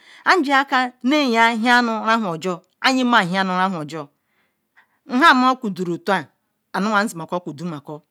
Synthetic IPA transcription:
a˦n̩˦d͡ʒi˦a˦ka˦ne˦˨ja˦ɦi˦a˦nʊ˨a˦ɦʷʊ˨ɔ˨d͡ʒɔ˦ | a˦ɲɪ˦ma˦˨ɦi˦a˦nʊ˨a˦ɦʷɔ˨d͡ʒɔ˦ | n̩˦ɦa˦˨˦m˦a˦kʷu˨du˨ɾo˨tu˦a˦ | a˨nʊ˦ŋʷa˨n̩˦zi˨m˨a˨kɔ˦kʷu˨du˨˦ma˨kɔ˦

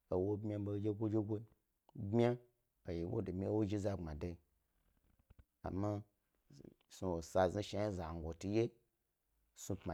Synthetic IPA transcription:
o˨wo˦bmʲa˦bo˧d͡ʒe˦ɡʷo˦d͡ʒe˦ɡʷo˦ | bmʲ˦a˦ | a˨ji˨wo̰˦do˨mʲi˦wo˦ʒi˦za˦˨ŋ͡ma˨da˧i˦ | a̰˨ma˦ | su˨wo˨sa˧˨zi˦ʃa˧ji˦za˨ŋ˨ɡʷo˨tu˧je˦ | su˧pma˨

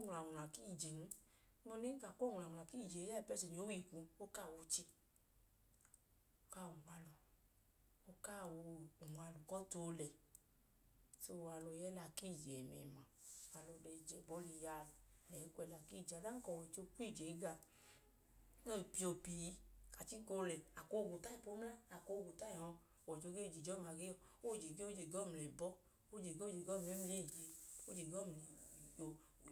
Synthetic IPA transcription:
o˦ŋ˧˨a˨la˨ki˦˨d͡ʒe˨n˦ | mɔ˧ne˦ka˨ko˦˨ŋ˨a˨ũ˨a˨ki˦˨d͡ʒe˨˦a˦i˨pɛ˧˦se˨n˨o˨˦wi˦˨kũ˧o˦ka˦˨wo˧t͡ʃi˧ | o˦ka˦˨wo˨ma˧lu˨ | o˦ka˦˨wo˧u˨ma˧lu˨kɔ˦to˧˦˧lɛ˨ | so˧˨˧a˧lɔ˧jɛ˦la˧ki˦˨d͡ʒɛ˨mɛ̰˨mã˨a˧lɔ˧de˧˨d͡ʒɛ˨bɔ˨˦li˧˨ja˦˨lɛ˨˦ku˧ɛ˧la˧ki˦˨d͡ʒa˨da˦ŋ̩˦kɔ˨wɔ˨t͡ʃo˧k͡pi˦˨d͡ʒe˨˦ɡa˧˨ | o˦˨pi˧o˧pi˧˨˧ka˨t͡ʃi˦ko˧lɛ˨a˨ko˧˨ɡo˨ta˦i˨po˦m˦a˦a˨ko˧ɡo˨ta˦i˨hɔ̃˧˨ | wɔ˨t͡ʃo˧˦ɡe˦˨d͡ʒi˨d͡ʒɔ˦m˧a˧˨ɡe˦ɔ˧˨o˦˨d͡ʒe˨ɡe˦o˦d͡ʒe˨ɡɔ˦˨m˨lɛ˨bɔ˦ | o˦d͡ʒe˨ɡe˦d͡ʒe˨ɡɔ˦˨m˧˨e˨˦m˧˦e˦˨d͡ʒe˧o˦d͡ʒe˨ɡɔ˦˨m˨i˨o˨

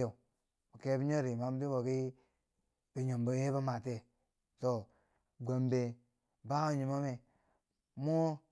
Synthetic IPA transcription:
o˨ | bo˨ke˦bi˦ɲo˦ɾi˨ma˦m˦bi˦wo˨ki˦ | bi˨ɲo˨mbo˦je˦ba˦ma˨te˦ | to˨ | ɡʷa˨mbe˨ | ba˦o˨ɲu˨mo˦me˨ | mo˦

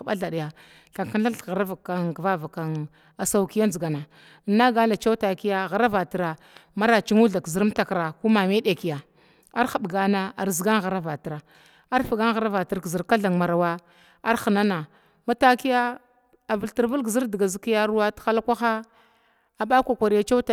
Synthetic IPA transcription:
ɓa˦ɮa˨ɗi˨ja˨ | ɬa˨ŋka˦nɬa˦ɬɣa˨ɾa˦va˨kːa˨nkva˦va˨ka˨n | a˨sa˦u˦ki˦ja˦nzi˨ɡa˨na˨ | nːa˦ɡa˦nda˨t͡ʃa˦wta˨ki˦ja˦˨ɣa˨ɾa˦va˨ti˨ɾa˨ | ma˦ɾa˨t͡ʃi˦ŋu˦ɮa˨kzi˦ɾm˦ta˨kɾa˨ku˦ma˨me˦ɗe˨ki˨ja˨ | a˦ɾxa˨ɓɡa˦na˦a̰˨ɾzi˨ɡa˦ŋɣa˨ɾa˦va˨ti˨ɾa˨ | a˦ɾfi˨ɡa˦ŋɣa˨˦ɾa˦va˨ti˨ɾkzi˨ɾka˦ɮa˨ŋma˨ɾa˨wa˦ | a˦ɾxə˨na˦na˨ | ma˦ta˦ki˦ja˦ | a˨və˨lti˨ɾvə˦lɡzi˦ɾdi˨ɡa˨zi˦ki˦ja˦ɾu˦wa˦txa˦la˦kʷa˦xa˦ | a˨ɓa˦kʷa˨kʷa˨ɾi˦ja˦t͡ʃa˦t

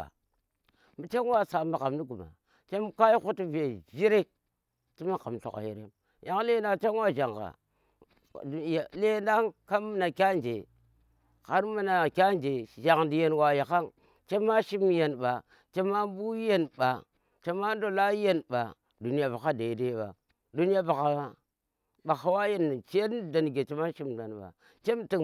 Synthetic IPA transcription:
a̰˨ | mi˨t͡ʃe˦n˦wa˦sa˨ma˨ka˨mni˦ɡu˨ma̰˨ | t͡ʃe˦m˦ka˦ji˦ku˦ti˦ve˨ʒi˦ɾe˦k̚ | ti˦ma˦ka̰˨mɬo̰˨ka̰˨jḛ˨ɾe˦m | ja˨ŋ˦le˦nda˦t͡ʃe˦nwa˦ʒa˨ŋɡa̰˨ | le˦nda˦ŋka˦mi˦na˨kʲa˦nd͡ʒe˨ | ka˨ɾmu˦na˨kʲa˦nd͡ʒe˨ʒa˨ŋndi˨je˨nwa˨ja˨ka˦ŋ | t͡ʃe˦ma˦ʃi˦m˦je˨nɓa˨ | t͡ʃe˦ma˦bu˦je˦nba̰˨ | t͡ʃe˦ma˦n˦do˦la˦i˦je˦nɓa̰˨ | du˨n˦ja˦ba˨ka˦de˨de˦ba̰˨ | du˦ni˦a˦ba˨ka˨ba˦ | ɓa˨xa˨˦wa˦je˦n˨t͡ʃda˨n˨ɡe˨t͡ʃe˦ma˦ʃi˦mda˨nɓa̰˨ | t͡ʃe˦m˦ti˨

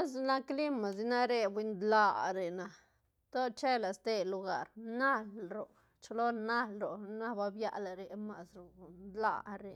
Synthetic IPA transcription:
a˦sna˦kli˦ma˨s̬i˧na˦ɾe˧bʷi˧nd̪la˦ɾe˨na˨ | t̪o˦t͡ʃe˦la˨st̪e˧lu˧ɡa˧˨ɾna˦lɾo˨ | t͡ʃo˧lo˦na˦lɾo˨na˦ba˧bja̰˦˧ʔla˨ɾe˧ma˧˨sɾo˨nd̪la̰˧ɾe˨

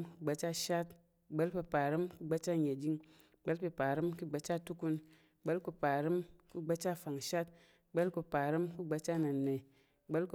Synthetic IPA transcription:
ku˦ɡ͡ba˧˦t͡ʃa˦˨ʃa˦t | ɡ͡be˦lpe˧pa˨ɾɨ˦mku˦ɡ͡ba˧t͡ʃa˦˨ɲe˨d͡ʒi˦ŋ˨ | ɡ͡be˦lpe˧pa˨ɾɨ˦mku˦ɡ͡ba˧˦t͡ʃa˦˨tu˦ku˧˦n˨ | ɡ͡be˦lku˧pa˨ɾi˦mku˦ɡ͡ba˦t͡ʃa˦˨fa˨ŋ˨ʃa˦t̚ | ɡ͡be˦lku˧pa˨ɾɨ˦mku˦ɡ͡ba˧˦t͡ʃa˦˨na˨nːe˨ | ɡ͡be˦lku˨˦

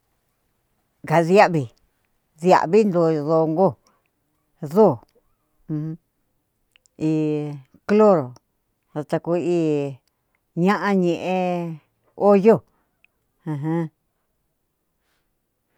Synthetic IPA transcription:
ŋɡa˨ðja˦ʔβi˨ | ðja̰˨ʔβi˦nd̪o˧˨ðo˧ŋɡo˦˨ | ðo˦˨˧ | i˧ | klo˦ɾo˨ | ða˧t̪a˧ku˧iː˦ | ɲã˦ʔã˦ɲẽ˨ʔẽ˧ | o˦jo˦˨ | ã˧ɦã˦

